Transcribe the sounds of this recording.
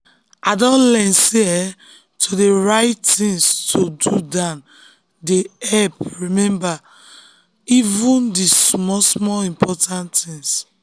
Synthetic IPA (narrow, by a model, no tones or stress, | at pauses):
adɔ̃nlɛ̃nse | tʰodeɹaɪttĩŋstʰodudãn | deɛpɹimɛ̃mba | ivũndismɔsmɔĩmpʰɔtãntĩŋs